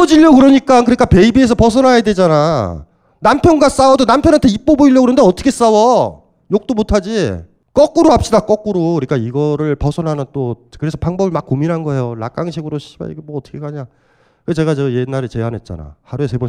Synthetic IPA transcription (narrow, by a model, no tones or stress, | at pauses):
ʌd͡ʑiʎjʌkɯɾʌɲik͈akɯɲik͈ape̞ibie̞s̬ʰʌpʌsʰʌnɦajadwe̞d͡ʑana | nampʰjʌnɡas͈awʌdonampʰjʌnɦantʰeip͈oboiʎːjʌkɯɾʌndeʌt͈ʰʌ̥kʰe̞s͈awʌ | jok̚t͈omotʰad͡ʑi | k͈ʌk͈uɾoap̚ɕ͈idak͈ʌk͈ɯɾokɯɲik͈aiɡʌɾɯɭpʌsʰʌnɦanɯnt͈okɯɾe̞sʰʌpaŋbʌbɯɭmak͈̚ːominɦanɡʌɦe̞jola̰k͈aŋɕʰiɡɯɾoɕʰiba̰ḭɡemwʌʌtʰʌ̥kʰekaɲa | kɯkɡet͡ɕe̞ɡat͡ɕʌjenːaɾet͡ɕe̞ɦanɦe̞t̚t͡ɕ͈a̰na̰haɾue̞s̬e̞bo